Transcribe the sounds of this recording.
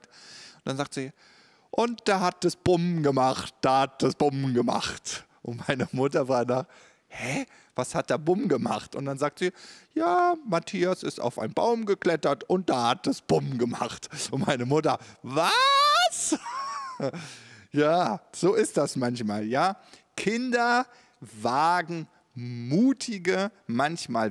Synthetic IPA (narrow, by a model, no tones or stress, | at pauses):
tʊnd̥anzaːk̚tz̥iː | ʔʊntd̥aːɦat̚d̥asb̥ʊmɡəmaχt̚d̥aːhat̚d̥asb̥ʊmɡəma̰χt | ʔʊ̰ntmaɪnəmʊtɐvaːnaːχ | hɛ | v̥ashat̚d̥aːbʊmɡəma̰χtʊnt̚d̥anzaːk̚tz̥iːjaːmatʰiːasɪsta̰ʊfʔa̰ɪnənba̰ʊmɡəkl̥ɛtɐtʊnt̚d̥aːhat̚d̥asb̥ʊmɡəmaχtʊntmaɪnəmʊtɐvas | jaːz̥oːɪstd̥asmançmaːljaː | kʰɪndɐ | vaːɡŋ̩ | muːtʰɪɡəmançmaːl